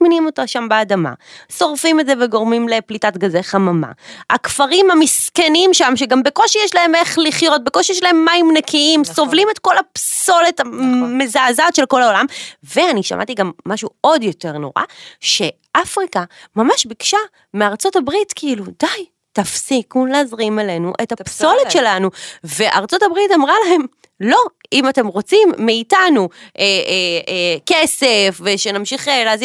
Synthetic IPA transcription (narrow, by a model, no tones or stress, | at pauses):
minimo̞taʃambeːdama̰so̞ʁfimetzeveɡo̞ʁmimle̞plitatɡazeχamama̰akfaʁimamiske̞nimʃamʃeɡambe̞ko̞ʃijeʃlae̞me̞χliχjo̞t̚bekoʃijeʃ̬lae̞mːaimnekʰiimso̞vlime̞tko̞lapso̞le̞tamezaːzatʃe̞lko̞laolamve̞aniʃa̰ma̰tiɡamːaʃuo̞djo̞te̞ʁno̞̰ʁa̰ʃe̞ | ʔafʁikamamaʃbikʃa | meaʁt͡so̞tabʁitkiiludaj | tafsikuleazʁimele̞nuʔetapso̞letʃe̞lanuve̞ʔa̰ʁt͡so̞tabʁitamʁalaɦe̞m | lo̞imate̞mʁo̞t͡simːeitanuʔeekese̞fveʃenamʃiχelaaz